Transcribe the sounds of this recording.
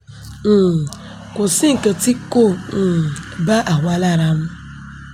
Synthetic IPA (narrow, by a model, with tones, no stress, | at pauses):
kʷʊ˨si˦ŋ̩˨kə˨ti˦ko˦˨n̩˨ba˦ʔa˨ŋʷa˦la˦ɾa˦m̩˦